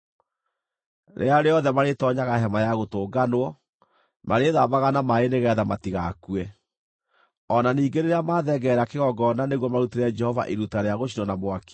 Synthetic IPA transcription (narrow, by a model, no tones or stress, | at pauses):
ɾʔḛaɾeɔðɛmaɾetɔɲaɣaɦɛmajaɣotoːɡanwɔ | maɾeðaβaɣanamaeneɣɛðamatiɣa̰kuɛ | ɔnaniːɡeɾeɾeamaðɛɡɛɾakeɣɔɡɔnaneɣwɔmaɾuteɾɛd͡ʒɛhɔva̰ʔiɾutaɾeaɣoʃ̬inɔnamwaki̥